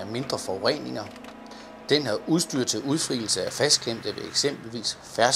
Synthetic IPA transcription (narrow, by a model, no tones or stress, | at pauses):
æme̝nd̥ʁɐfɒ̽ʁɛ̰ne̝ŋɐ | d̥enhæuðˠsd̥y̰ɐ̥t͡sʰe̝luð̞ˠfʁḭːl̩səæfæsd̥̚kʰem̰d̥əʋe̝eɡ̥sem̰b̥l̩ʋḭːs | fæɐs